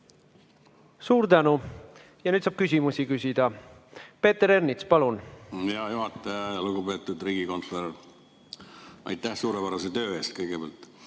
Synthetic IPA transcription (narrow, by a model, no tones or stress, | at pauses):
suːɾt̪ænu | jɑnyːd̪sɑːb̥̚kysʲimusikysʲid̪̥ɑpe̞ːt̪eɾernit̪spɑlunjɑjuɦɑt̪ːˑɑjɑjɑluɡube̞ːt̪ːˑud̪ɾiːɡ̥iko̞nt̪ˑoɾ | ɑ̰jt̪ːˑæhsuːɾepæɾɑset̪ø̞ːe̞ːst̪̚kɤjɡ̥ebeæ̰ːlt̪